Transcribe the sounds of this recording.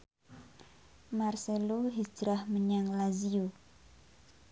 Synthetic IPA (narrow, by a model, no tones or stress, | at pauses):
marseloɦid͡ʒɾahməɲaŋlaziu